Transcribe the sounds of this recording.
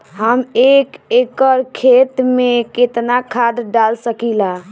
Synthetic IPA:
ɦəmekekəɾkʰet̪meket̪nakʰad̪ɖalsəkila

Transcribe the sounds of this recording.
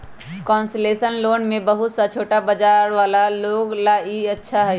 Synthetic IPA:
kɔnslesənloːnmebəɦut̪sat͡ʃʰoːʈabəd͡ʒaɾʋaːlaloɡlaiətːʃʰaɦɛ

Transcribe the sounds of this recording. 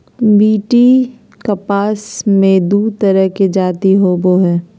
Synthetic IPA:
biːʈi | kɐpaːsmẽd̪uːt̪ɐɾəɦked͡ʒaːt̪iɦoboɦɛː

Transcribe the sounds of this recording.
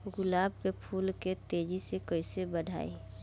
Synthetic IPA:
ɡʊlaːb̚kepʰuːlket̪eːd͡ʒisekəɪsebəɖʱa̰ːḛ

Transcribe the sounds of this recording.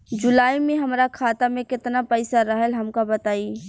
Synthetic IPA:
d͡ʒʊlaːimẽɦɐmɾakʰaːt̪amẽkɪt̪napɛɪsaɾɐɦəlɦɐmkabɐt̪aːi

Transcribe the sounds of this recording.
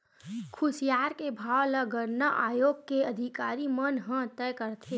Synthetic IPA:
kʰʊsijaːɾkebʱaːʋləɡəɾnaʔaːjoːɡ̚keɐd̪ʱɪkaːɾimənɦə̃t̪ɛːjkəɾt̪ʰe

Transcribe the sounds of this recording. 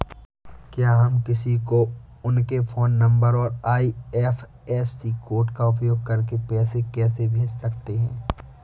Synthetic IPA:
kjaːɦɐmkɪsiko | ʊnkefʰoːnːɐ̃mbəɾɔːɾaːiɛːf | ɛːsːikoːɾʈkaʊp̬joːɡ̚kɐɾkepɛːsekɛːsebʱeːd͡ʒsɐk̚t̪eɦɛ̃ː

